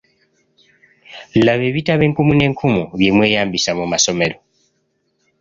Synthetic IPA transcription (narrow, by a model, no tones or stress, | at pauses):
laβe̞βitaβe̞ːŋkumune̞ːŋkʰumuβjemwe̞ːjaːmbisamumaso̞me̞ɾo̞